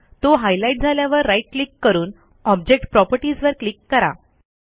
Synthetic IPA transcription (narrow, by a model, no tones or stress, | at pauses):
t̪oɦajlaiʈ̚d͡zʱaljaʋəɾːaiʈ̚klikːəɾuːn | ɔb̚d͡ʑek̚ʈpɾɔpəɾʈisʋəɾklikːəɾa̰